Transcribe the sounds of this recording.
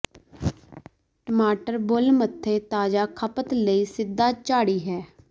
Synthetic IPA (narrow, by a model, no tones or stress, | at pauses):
ʈəmaːʈəɾbʊlmət̪ʰːeːt̪aːd͡ʒaːkʰəpət̪ləiːsɪd̪ːaːt͡ʃaːɽiːɦɛː